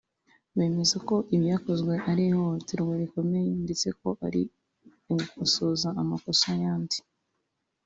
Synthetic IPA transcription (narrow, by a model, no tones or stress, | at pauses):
βe̞ːmezako̞ʔiβjaːko̞zɡwe̞ʔaɾihotiɾweβiko̞mejndet͡se̞̰ko̞ʔaɾḭ | ukosoːzaːmako̞sajaːndi̥